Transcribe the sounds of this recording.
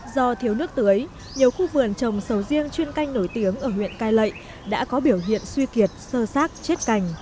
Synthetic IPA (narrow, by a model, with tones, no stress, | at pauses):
zɔ˧t̪ʰi˨˦əwnɨ˦˥ək̚t̪ɨ˨˦ə˦j | ɲi˨˩əwxu˧vɨ˨˩ənt͡ɕə˨˩wŋ͡msə˨˦wzi˧ənt͡ɕwi˧ənka˧jŋ̟no˧˩jt̪i˨˦əŋʔəː˧˩hwḭ˧˨ənkaː˧jlə̰˧˨j | ɗa̰ː˧˥kɔ˨˦ɓi˧˩əwɦḭ˧˨ənswi˧ki˨˩ət̚səː˧saː˦˥k̚t͡ɕe˦˥t̚ka˧˩jŋ̟